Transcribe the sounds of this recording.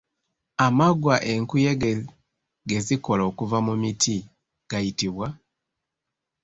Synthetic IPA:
amaɡwaʔe̞ŋkujeɡe | ɡe̞zikolo̞ːkuvamumitʰi | ɡ̥ajitiβwa

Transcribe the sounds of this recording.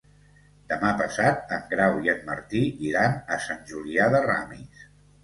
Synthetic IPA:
d̪əmapəsat̪̚əŋɡɾawiənːəɾt̪iiɾanəsanʲʒuliaðəra̰mḭs

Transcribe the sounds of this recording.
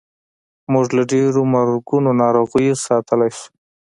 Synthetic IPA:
muʐlaɖeɾomaɾɡunonɑɾoɣəjesɑt̪ʰəlajʃu̥

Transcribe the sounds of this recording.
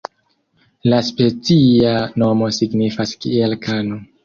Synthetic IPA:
laspe̞t͡siano̞mo̞siɡnifaskielkʰano

